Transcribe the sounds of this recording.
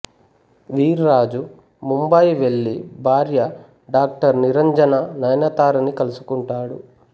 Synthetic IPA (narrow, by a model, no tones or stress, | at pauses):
ʋiːɾɾaːd͡ʒu | mumbɐjʋeɭːibʱaːɾjɐ | ɖaːk̚ʈɐɾniɾɐɲd͡ʒɐnɐnɐjnɐt̪aːɾɐnikɐlusu̥kuɳʈaːɽu